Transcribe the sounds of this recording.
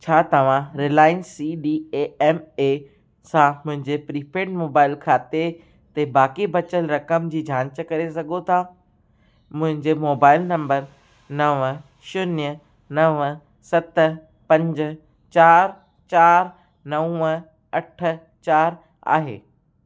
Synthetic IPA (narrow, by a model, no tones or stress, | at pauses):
t͡ɕʰaːt̪ɐʋ̤ãɾelaːɪnsiɗiːeːɛmeː | sãmʊ̃ɦɪ̃ɲd͡ʑepɾiːpeːʈmoːbaːɪlkʰaːt̪e | t̪ebaːkibɐt͡ɕəlɾɐkəmd͡ʑiːd͡ʑʱãːɲt͡ɕəkɐɾesɐɡʱot̪ʰa | mʊ̃ɦɪ̃ɲd͡ʑemoːbaːɪlnɐ̃mbəɾ | nɐʋ | ʃʊnjə | nɐʋ | sɐt̪ | pɐ̃ɲd͡ʑʊ̆ | t͡ɕaːɾ | t͡ɕaːɾ | nɐũə | ɐʈʰə̆ | t͡ɕaːɾ | a̰ːɦḛː